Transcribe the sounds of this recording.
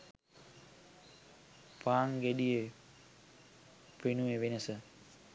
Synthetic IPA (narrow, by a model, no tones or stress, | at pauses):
paːŋɡeɖije | penuʋeʋenəsə